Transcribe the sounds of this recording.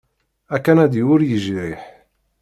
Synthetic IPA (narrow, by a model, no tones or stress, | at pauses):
ækːænæd̪iwʊɾjəʒɾiħ